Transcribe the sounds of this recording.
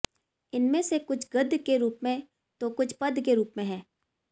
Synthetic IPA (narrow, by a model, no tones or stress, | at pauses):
ɪnmẽsekʊt͡ʃʰɡɐd̪ʱkeɾuːpmẽ | t̪okʊt͡ʃʰpɐd̪ʱkeɾuːpmẽɦɛ̃ː